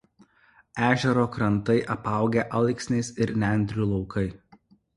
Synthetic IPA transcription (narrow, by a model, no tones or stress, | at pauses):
æːʒʲɛɾoːkɾɐnt̪ɐɪʔɐpɑˑʊɡʲeʔɐlˠɪksʲnʲɛɪsɪɾnʲæˑnʲd̪ʲɾʲuːlˠɔʊkʰɐɪ